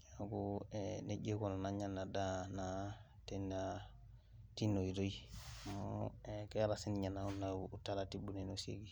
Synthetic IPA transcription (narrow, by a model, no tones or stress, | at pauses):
jaɡueneɟekolanaɲanːadana | tena | tinoiɾoimoekeaɾasiniɲanːaunːauutalatibunenosḛɡi